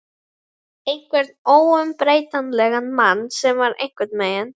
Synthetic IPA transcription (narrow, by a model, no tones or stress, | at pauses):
ejŋ̥kvɛɾ̥t̪oːwʏmpɾeːjt̪anlɛɣanmanːsɛmvaɾḛjŋ̥kvɛt̪mejən